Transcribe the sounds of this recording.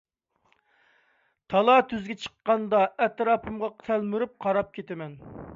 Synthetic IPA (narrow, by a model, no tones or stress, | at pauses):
t̪ʰɑlˠɑt̪ʰyzɡʲɛt͡ʃʰə̥qːɑnd̪ɑɛt̪ɾɑːpʰɨmʁɑqt̪ʰælmyɾyp̚qʰɑɾɑp̚kʲʰet̪ɪmɛn